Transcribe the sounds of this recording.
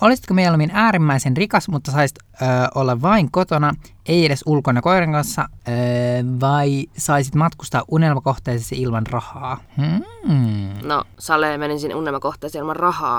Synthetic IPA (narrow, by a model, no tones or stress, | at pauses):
olisi̥t̪̚komejælominæːɾimːæisenrikɑsmut̪ːɑsɑisi̥t̪ | øːʔolːɑʋʋɑiŋkot̪onɑ | e̞jeɾesulkonɑko̞iɾeŋkɑnsːɑøʋɑisɑisit̪mɑt̪kust̪ɑːʔunelmɑko̞ht̪eːsest̪iilmɑnrɑhɑːm̩ | no̰sɑleːmeninsinʔunelmɑkoht̪ˑeːsiilmɑnrɑhɑ̰ː